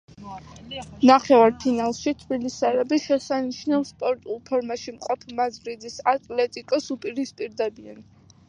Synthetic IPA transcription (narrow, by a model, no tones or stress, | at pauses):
naχɛvaɾpʰinalˠʃit̪ʰbilisaɾɛbiʃɛsaniʃʰnalspʼɔɾt̪ʼulˠpʰɔɾmaʃimqʼɔpʰmazvɾid̪isat̪ʼlɛt̪ʼikʼɔsupʼiɾispʼiɾd̪ɛbian